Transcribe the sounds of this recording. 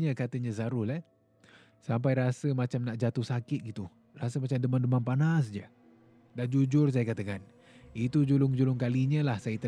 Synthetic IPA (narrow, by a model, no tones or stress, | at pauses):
ɲəkat̪əɲəzaɾʊhlah | sampajɾasəmat͡ʃamnaʔd͡ʒat̪uhsakɪt̪̚ɡit̪u | rasəmat͡ʃamdəmandəmanpanasd͡ʒə | dahd͡ʒud͡ʒʊrs̬ajakat̪akan | it̪ud͡ʒulʊŋd͡ʒulʊŋkaliɲəlahsajət̪ə